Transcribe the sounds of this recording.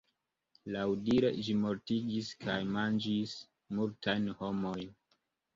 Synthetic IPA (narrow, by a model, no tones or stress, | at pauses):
lawdiɾe̞̰d͡ʒimo̞ɾtiɡiskʰajmand͡ʒis | multajnho̞mojn